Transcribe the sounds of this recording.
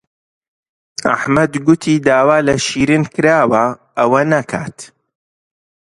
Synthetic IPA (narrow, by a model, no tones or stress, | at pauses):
ʔa̰ħmɐd̪ɡʊt̪ʰiːd̪aːwaːlɐʃiːɾɨnkɨɾaːwɐʔɐwɐnɐkʰa̰ːt̪